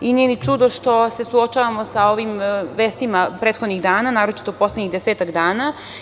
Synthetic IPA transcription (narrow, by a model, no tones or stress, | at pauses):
inijenit͡ʃud̪o̞ʃt̪o̞se̞suot͡ʃaːʋamo̞sao̞ʋimʋeːst̪imapɾeːt̪xod̪niɣd̪aːnanaːɾo̞t͡ʃi̥t̪opo̞slˠeɲiɣd̪eseːt̪akd̪aːna